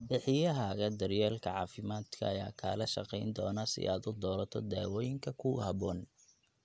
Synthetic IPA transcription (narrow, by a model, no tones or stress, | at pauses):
bɪħɪjɐɦɐɣɐd̪ɐrjɛːlkʰɐʕɑːfɪmaːd̪kʰɐ̰ːjaːkʰa̰ːlɐʃɑqɛjnd̪ɔːnɐsɪ̰ʔaːd̪ʊd̪ɔːɾɐt̪ʰɔd̪aːwɔːjɪŋkʰɐkʰʊhɐβɔːn